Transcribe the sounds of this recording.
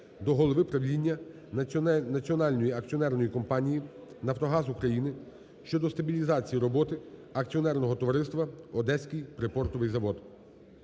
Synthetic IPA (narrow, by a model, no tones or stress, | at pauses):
d̪ɔɦɔlˠɔʋɪpɾɐʋlʲinʲːɐ | nɐt͡sʲiɔnɑlʲnɔjiɐk̚t͡sʲiɔnɛrnɔjikɔmpɑnʲiji | nɐft̪ɔɦɑzukɾɐjinɪ | ʃt͡ʃɔd̪ɔst̪ɐbʲilʲizɑt͡sʲijiɾɔbɔt̪ɪɐk̚t͡sʲiɔnɛrnɔɦɔt̪ɔʋɐɾɪst̪ʋɐɔd̪ɛsʲkɪjpɾɪpɔrt̪ɔʋɪjzɐʋɔd̪